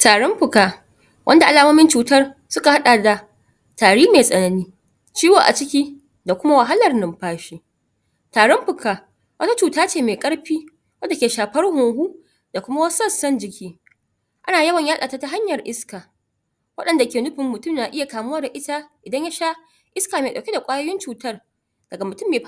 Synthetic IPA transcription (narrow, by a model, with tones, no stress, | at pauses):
taː˨ɽɔ˦mɸʊ˨kaː˨ | wʔɐ˦nda˨ʔa˨laː˨moː˦mɪ˦nt͡ʃuː˨tɐ˦rsʊ˦ka˨ha˦ɗa˨da˨ | taː˨ɽiː˦meː˨sʼɐ˨nɐ˦niː˦ | t͡ʃiː˦woː˨ʔa̰˨t͡ʃɪ˦kʲiː˦ | da˨kʷʊ˦ma˦wa˨ɦa˦lɐ˨rnɐ˨mɸaː˦ʃiː˦ | taː˨ɽɔ˦mɸʊ˨kaː˨ | wʔɐ˦ta˦t͡ʃuː˨taː˦t͡ʃeː˦˨meː˨kʼɐ˦ɽɸiː˦ | wɐ˦nda˨kʲeː˨ʃaː˨ɸɐ˦rhoː˨ɦuː˦ | d̥a˨kʷʊ˦ma˦wɐ˦sɐ˦˨sɐ˦nd͡ʒɪ˨kʲiː˦ | ʔa˦naː˨jɐ˦wɐ˨ɲjaː˦ɗaː˨ta˦ta˦ɦa˦ɲjɐ˨rʔɪ˦skaː˨ | wɐ̰˦ɗɐ˨nda˨kʲeː˨nʊ˦ɸɪ˨mːʊ˨tʊ˦˨mnaː˨ʔɪ˦ja˨kaː˨mʊ˦wa˦da˨ʔɪ˦ta˦ʔɪ˨dɐ˦ɲja˦ʃaː˦ | ʔɪ˦skaː˨meː˨ɗɐ˨kʲe˦da˨kʷʼaː˦joː˦jɪ˦nt͡ʃuː˨tɐ˦r | d̥ɐ˨ɡa˨mʊ˨tʊ˦˨mːeː˨